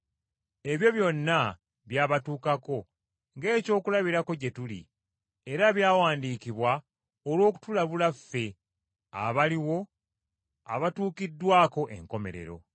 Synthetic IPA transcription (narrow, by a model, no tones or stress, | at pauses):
e̞βjo̞βjo̞nːa | βjaːβatuːkako̞ | ŋɡe̞ːco̞ːkulaβiɾako̞ɟe̞tulḭ | eɾaβjaːwaːndiːkiβwa | olwo̞ːku̥tulaβulafːe̞ | a̰βaliwo̞ | aβatuːkidːwaːko̞ʔe̞̰ŋko̞me̞̰ɾe̞̰ɾo̞̰